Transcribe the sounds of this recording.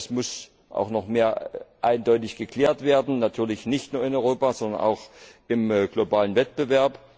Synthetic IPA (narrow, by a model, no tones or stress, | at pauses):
smʊs | ʔa̰ʊxnɔχmeːɐʔaɪndɔʏtɪçɡ̥əkl̥eːɐtv̥eːɐdn̩natʰyːɐlɪçnɪçtnuːɐɪnɔʏʁoːpazɔndɐnʔa̰ʊxʔɪmɡ̥lobaːlənvɛt̚b̥əvɛɐp